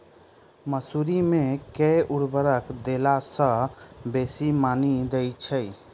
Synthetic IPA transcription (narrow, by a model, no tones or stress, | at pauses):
məsuɾimekeʔuɽbəɾəkd̪elasə̃besimanid̪ejt͡ʃʰəj